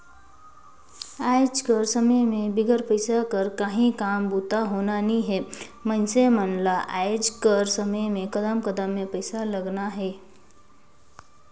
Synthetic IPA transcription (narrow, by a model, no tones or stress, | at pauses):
aːɪd͡ʒkəɾsəməjmẽbɪɡəɾpəɪsakəɾkəɦĩkaːmbuːt̪aɦoːnanĩɦɛːmə̃nsemənlaʔaːɪd͡ʒkəɾsəməjmẽkəd̪əmkəd̪əmːẽpəɪsaləɡnaɦɛː